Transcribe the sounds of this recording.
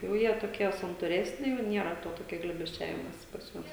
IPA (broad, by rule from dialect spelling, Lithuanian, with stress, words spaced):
jɛʊ jiɛ toːˈkʲiɛ sɐntuːˈrʲæːsʲnʲɪ jɛʊ ˈnʲiɛrɐ toː toːˈkʲɛ ɡlʲeːbʲɛsʲˈt͡ʃʲæːʋʲɪmoːsʲɪ pɐs ˈjuɔs